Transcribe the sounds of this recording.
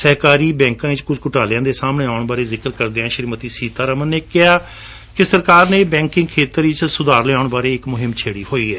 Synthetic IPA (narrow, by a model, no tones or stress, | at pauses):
səɦkaːɾiːbɛ̃ːŋkãːɪt͡ʃkʊd͡ʒkʊʈaːlejãːd̪eːsaːmɳeːaːʊɳbaːɾeːzɪkəɾkəɾd̪eːãːʃəɾiːmət̪iːsiːt̪aːɾəmənːeːkɪaː | kɪsəɾkaːɾneːbɛ̃ːŋkɪ̃ŋɡkʰeːt̪əɾɪt͡ʃsʊd̪aːɾleːaːʊɳbaːɾeːɪkmʊɦɪmt͡ʃʰeːɽiːhoːiːɦɛː